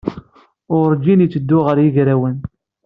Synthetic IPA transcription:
ʊɾd͡ʒinit͡sːəd̪ːʊʁəɾjiʝɾæwən

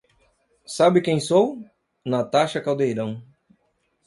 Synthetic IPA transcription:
sabɪkẽj̃sow | nɐt̪aʃɐkawd̪ejɾɐ̃w̃

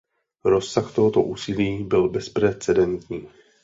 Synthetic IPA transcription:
ɾo̞sːaxt̪o̞ɦot̪o̞ʔuːsiliːbɪlbɛspɾɛt͡sɛdɛnt̪ɲiː

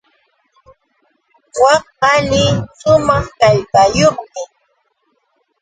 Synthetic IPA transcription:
wɑ | ɑnɪʃʊmɑχkajpajoχmɪ

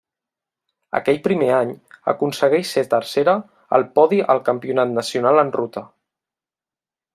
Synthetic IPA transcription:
ə̰kɛʎpɾimeaɲə̰kunsəɣɛʃset̪əɾseɾə | ə̰lˠpɔðiʔəlˠkəmpiunat̪nəsiunalənrut̪ə

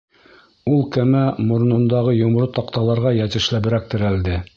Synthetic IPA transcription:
ulˠkæmæmŏɾnɤ̆nd̪ɑʁɤjŏm̆ɾɤt̪ɑqt̪ɑlˠɑɾʁɑjæt̪ɘ̆ʃlæbɘ̆ɾæk̚t̪ɘ̆ɾæld̪ɘ

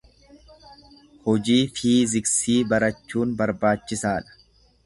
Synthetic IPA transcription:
hɔd͡ʒiːfiːzɪksiːbɐɾɐt͡ʃːuːnbɐɾbaːt͡ʃːɪsaːᶑɐ̥

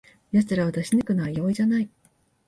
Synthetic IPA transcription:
jat͡sɨɾaβat̪aɕinɯkɯ̟najo̞ːiʑanai

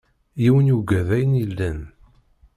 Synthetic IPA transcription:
jiwənjuɡæðæjənilːæn

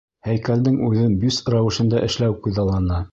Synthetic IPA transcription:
hæjkæld̪ɘŋʉðɘnbysɾɑwɘ̆ʃɤ̆nd̪ɑʔɘ̆ʃlæwkʉðɑlˠːɑnɑ

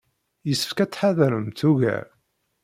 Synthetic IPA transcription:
jəsə̥fkæt͡sːħaðɾəmt̪uʝæ̰

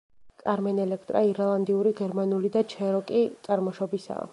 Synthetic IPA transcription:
kʼaɾmɛnɛlɛkʰt̪ʼɾaiɾalˠand̪iuɾiɡɛɾmanulid̪at͡ʃʰɛɾɔkʼitt̪sʼaɾmɔʃɔbisa̰ː

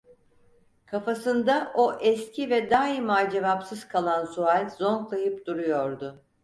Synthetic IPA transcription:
kʰafasɯnd̪aʔo̞ʔɛscʰivɛd̪aːimald͡ʒe̞vapsɯz̥kʰalˠansualʲzo̞ŋklˠajɯpd̪uɾujo̞ɾd̪ʊ

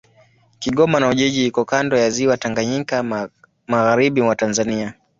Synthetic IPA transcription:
kiɠɔmanauʄɛʄihikɔkandɔjaziwataŋɡaɲika | maɣaɾiɓimwatanzania

